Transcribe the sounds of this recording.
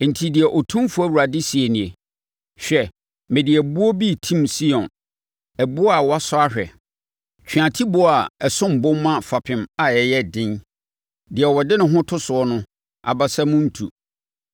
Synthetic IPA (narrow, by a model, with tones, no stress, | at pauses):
n̩˨tʰi˨dɪ˨ɛ˨ʔɔ˨tʰũ˦mfʊ˦æ˦˨wu˨ɾa˨dɪ˦si˨e˨nĩ˨e˨ | ɕᶣɛ˨ | mɪ̃˨dɪ˨ɛ˨bʊ˦ɔ˦bi˦˨tʰĩ˦˨msi˦ɔ̃˨n | ɛ˨bʊ˦ɔ˦a˨wɔ˦a˦sʊ˦a˦hᶣɛ̰˨ | t͡ɕʰᶣɥã˨tʰi˦bʊ˦a˨ɛ˨sʊ̃˦m̩˨bʊ̃˦m˦mã˦fa˨pʰɪ̃˨ma˨ɛ˨jɛ˦dɪ̃˦n | dɪ˨ɛ˨wɔ˨dɪ˦nʊ̃˦ɦʊ̃˦tʰʊ˦sʊ˨ɔ˦nʊ̃˦ | a̰˨ba˨sɛ˦mʊ̃˦n̩˦tʰṵ˨